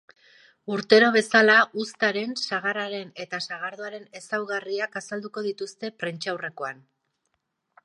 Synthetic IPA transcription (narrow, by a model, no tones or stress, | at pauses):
uɾt̪e̞ɾo̞β̞e̞salaʔust̪aɾe̞nsaɣ̞aɾaɾe̞ne̞t̪asaɣ̞aɾðoaɾe̞ne̞sawɣariakasald̪uko̞ðit̪ust̪e̞pɾent͡ʃawre̞ko̞an